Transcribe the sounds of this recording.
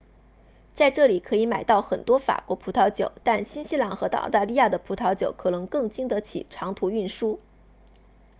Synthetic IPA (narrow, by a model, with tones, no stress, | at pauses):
t͡sa˥˧ɪʈ͡ʂɤ˥˩li˨˩kʰɤ˧˥i˧˥ma˨˩ɪt̪ɑ˥˩ʊxə˨˩nt̪wɔ˥fa̰˨˩kwɔ˧˥pʰu˧˥t̪ʰɑ˧˥ʊt͡ɕjo˨˩˦ʊt̪a˥˩nɕi˥nɕi˥lɑ˧˥ŋxɤ˧˥t̪ɑ̰˥˧˥ʊt̪a˥˧li˥˧ja˥˩d̪ə˩pʰu˧˥t̪ʰɑ˧˥ʊt͡ɕjo˨˧˩ʊkʰɤ˨˩nɤ˧˥ŋkɤ˥˩ŋt͡ɕi˥ŋd̪ə˧˥t͡ɕʰḭ˨˩ʈ͡ʂʰɑ˧˥ŋt̪ʰu˧˥y˥˩nʂu˥